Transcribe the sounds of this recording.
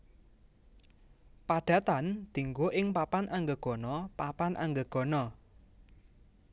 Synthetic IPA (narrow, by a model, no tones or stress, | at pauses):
paɖ̥a̤t̪and̪̥i̤ŋɡoʔɪŋpapanʔaŋɡəɡ̥ɔ̤nɔpapanʔa̰ŋɡəɡ̥ɔ̤nɔ